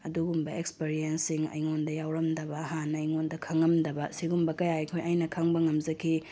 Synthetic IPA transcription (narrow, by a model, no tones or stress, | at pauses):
ɐduɡumbɐekspeɾijensiŋɐ̰jŋondɐjawɾɐmdɐbɐːɦanɐjŋondɐkʰɐŋːɐmdɐbɐsiɡumbɐkɐjaɐjkʰojʔajnɐkʰɐŋbɐŋɐmzɐkʰi